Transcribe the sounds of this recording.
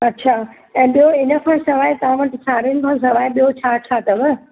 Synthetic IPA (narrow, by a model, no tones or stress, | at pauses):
ɐtːɕʰaː | ɛ̃ːɓijoɪnə̆kʰãːsɐʋaːɪt̪ɐʋ̤ãʋɐʈʰɪsaːɾiənɪ̆kʰãːs̬ɐʋaːɪɓijot͡ɕʰaːt͡ɕʰaːt̪ɐʋə